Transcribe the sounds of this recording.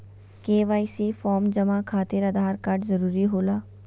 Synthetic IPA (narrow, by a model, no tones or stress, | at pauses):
keːʋaːisefɔːmd͡ʒɐmakʰaːt̪ɪɾɐd̪ʱaːɾkaːɾʈzɐɾuːɾiɦoːlaː